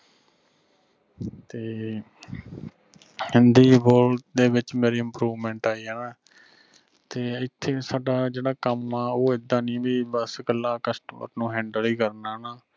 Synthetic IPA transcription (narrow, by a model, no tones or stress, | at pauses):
t̪eː | hɪnd̪iːboːld̪eːbɪt͡ʃmeːɾiːɪmpɾuːʋmɛ̃ːɳʈaːiːɦɛːnãː | t̪eːɪt̪ʰːeːsaːɖaːd͡ʒeːɽaːkəmːaːoːɪd̪ːãːnĩːbiːbəsɡəlːaːkəsʈəmə̰ɾnũːɦɛ̃ːɳɖəliːkəɾnaːnaː